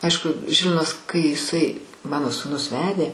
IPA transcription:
ˈɐɪʃkʊ ˈʒʲɪlʲʋʲɪnɐs kɐɪ jɪˈsɐɪ ˈmɑːnoː suːˈnʊs ˈʋʲæːdʲeː

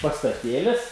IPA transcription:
pɐstɐˈtʲeːlʲɪs

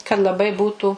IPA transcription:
kɐt lˠɐˈbɐɪ ˈbuːtuː

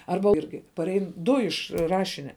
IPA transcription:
ˈɐrbɐ ˈɪrʲɡʲɪ pɐˈrʲɛɪn ˈdʊ ɪʃ ˈrɑːʃʲɪnʲɛ

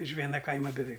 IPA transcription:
ɪʃ ˈʋʲiɛnɐ ˈkɐɪmɐ bʲɛˈʋʲɛɪk

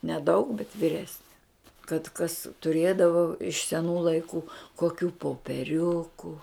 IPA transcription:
nʲɛˈdɐʊk bʲɛt ʋʲiːˈrʲæːsʲnʲɛ kɐt kɐs tʊˈrʲeːdɐʋoː ɪʃ sʲɛˈnuː lˠɐɪˈkuː koːˈkʲuː poːpʲɛˈrʲʊkʊ

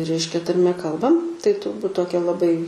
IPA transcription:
ˈrʲɛɪʃʲkʲɛ tɐrʲˈmʲɛ ˈkɐlˠbɐm tɐɪ tʊrˈbuːt ˈtoːkʲɛ lˠɐˈbɐɪ

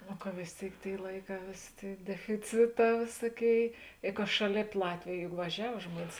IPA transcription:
nʊ kɐ ʋʲeːs ˈtʲeːɪk ˈtʲeːɪ ˈlˠɐɪˌkɑː ˈʋʲeːsʲeː ˈtʲeːɪ dʲɛfʲɪˈt͡sʲɪˌtɑː ˈʋʲeːsuɔˌkʲeːɪ ɪ kɐ ˈʃɑːˌlʲeːp ˈlˠɑːtʲʋʲeːj jʊk ʋɐˈʒʲɛw ˈʒmuɔnʲɪs

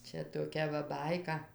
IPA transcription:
ˈt͡ʃʲɛ toːˈkʲɛ ʋɐ ˈbɐɪkɐ

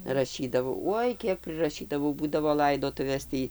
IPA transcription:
rɐˈʃʲiːdɐʋɐʊ ˈuɔj ˈkʲiɛk pʲrʲɪrɐˈʃʲiːdɐʋɐʊ ˈbuːdɐʋoː ˈlˠɐɪdoːtʊʋʲeːs ˈtʲiː

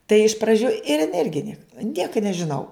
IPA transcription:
tɐɪ ɪʃ prɐˈd͡ʒʲuː ɪr ɪn ˈɪrʲɡʲɪ ˈnʲiɛk ˈnʲiɛkɐ nʲɛʒʲɪˈnɐʊ

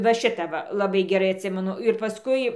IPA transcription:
ʋɐ ˈʃʲɪtɐ ˈʋɐ lˠɐˈbɐɪ ɡʲɛˈrɐɪ ɐtʲˈsʲɪmʲɛnʊ ɪr pɐˈskʊɪ

